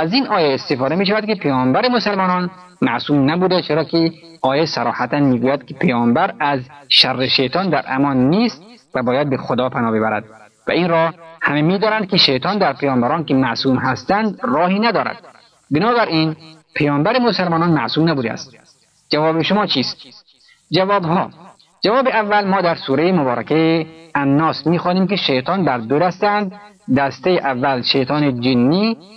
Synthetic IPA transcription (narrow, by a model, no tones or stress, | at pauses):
æzinʔɒːjeːst̪efɒːd̪emiːʃ̬ævæd̪kipʰejɒːmbæɾemosælmɒːnɒn | mæʔsuːmnæbuːd̪et͡ʃʰeɾɒːkʰe | ɒːjesæɾɒ̰ːhæt̪ænmiːɡuːjæd̪ki̥pʰejɒːmbæɾæzʃærːeʃejt̪ʰɒːnd̪æɾʔæ̰mɒnːiːst̪̚ | væbɒːjæd̪̚bexod̪ɒːpʰænɒːbebæɾæ̰d̪̥̚ | væ̰inɾɒhhæmemiːd̪ɒːnænd̪kiʃejt̪ʰɒnd̪æɾpʰejɒːmbæɾɒːnkemæsuːmɦæst̪ænd̪ɾɒːhiːnæd̪ɒːɾæ̰d̪̥̚ | benɒːbæɾʔinpʰejɒːmbæɾemosælmɒːnɒnmæʔsuːmnæbuːd̪æ̰st̪ | d͡ʒævɒːbeʃomɒːt͡ʃʰiːst̪̚ | d͡ʒævɒːbhm̰ː | d͡ʒævɒːbeævːælmɔːd̪æɾsuːɾejimobɒːɾæ̰kejeænːɒːsmiːxɒːniːmkeʃejt̪ʰɒːnb̪æɾd̪oɾæst̪ænd̪d̪æst̪ejeʔævːælʃejt̪ʰɒːned͡ʒinːiː